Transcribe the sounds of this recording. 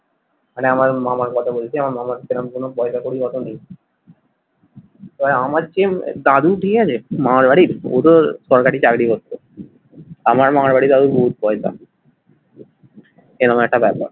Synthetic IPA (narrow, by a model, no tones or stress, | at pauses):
maneamaɾmamaɾkɔt̪ʰabolet͡ɕʰiamaɾmamaɾkʰenamkonobɔesakoɽikɔt̪onij | t̪ɔamaɾt͡ɕḛd̪ad̪uʈʰikeat͡ɕʰemaaɾbaɽiɾo̰t̪osɔɾkaʈit͡ɕakɽikot̪ːo | amaɾmaaɾbaɽid̪ad̪uɾboɦut̪̚bɔesa̰ | enɔmɛk̚ʈabɛpa̰ɾ